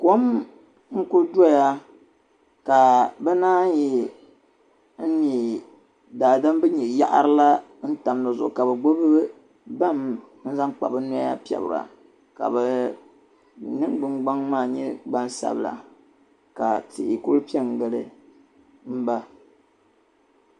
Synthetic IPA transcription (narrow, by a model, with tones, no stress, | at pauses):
ko˦m | ŋ̩˦ku˦do˦˨ja˦ | ka˨bɛ˦naː˦ji˦ | n̩˦ni˨ | daː˨da˦mbɨ˦ɲɛ˨ja̰˦ʔa̰˦ɾɨ˦la˦ | n̩˦ta˨m˦nɨ˨zʊ̰˨ʔka˨bɛ˨ɡ͡bo˦bɨ˦ | ba˦˨m | n̩˦za˦ŋk͡pa̰˨bɨ˦nʊ˦a˦ja̰˦pi˦ɛ̰˨bɾa̰˨ | ka̰˨bɛ˨ | nɨ˦ŋɡ͡bɨ˦ŋɡ͡ba˦ŋmaː˦˨ɲɛ˦ɡ͡ba˦nsa̰˦bla̰˨ | ka˨tɪ̰˨ʔi˨ku˦ɾpi˦ɛ˦˨ŋɡɨ˦lɨ˦ | m̩˦ba˦